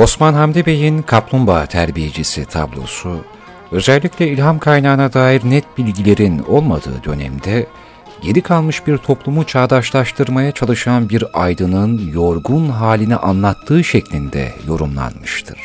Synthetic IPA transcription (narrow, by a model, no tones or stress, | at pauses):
o̞smanɦamd̪ebe̞jinkʰaplˠumbat̪ʰæɾbije̞d͡ʒisit̪ʰa̰blˠo̞̰su | ø̞zɛlʲːiclʲɛilʲɦamkʰajnaːnad̪aːjiɾnɛt̪̚bilʲɟilʲe̞ɾino̞lˠmad̪ɯ̰ːd̪ø̞nɛ̰md̪ɛ | ɟe̞ɾikʰalˠmɯʃbiɾt̪ʰo̞plˠumut͡ʃʰaːd̪aʃlˠaʃt̪ʰɯɾmajat͡ʃʰalˠɯʃanbiɾajd̪ɯnɯnjo̞ɾɡunɦaːlʲiniʔanlˠat̪ʰːɯːʃɛclʲind̪ɛ̰jo̞ɾumlˠa̰nmɯʃt̪ʰɯɾ̥